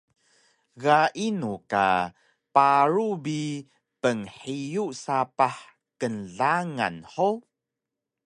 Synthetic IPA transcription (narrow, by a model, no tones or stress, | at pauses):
ɣaʔinuka̰ | paɾubi | pəŋħijusapaħ | kənɮaŋa̰nħo